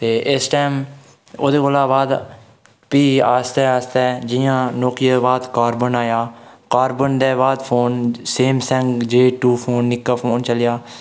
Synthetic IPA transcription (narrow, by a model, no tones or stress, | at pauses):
t̪eːʔɪsʈaːm | oːd̪eːkoːlaːbaːd̪ | piːaːst̪ɛːaːst̪ɛːd͡ʒɪjãːnɔːkijebaːd̪kaːɾbənaːjaːkaːɾbənd̪eːbaːd̪pʰoːnseːmsɛ̃ŋɡd͡ʒeːʈuːpʰoːnːɪkːaːpʰoːnt͡ʃəljaː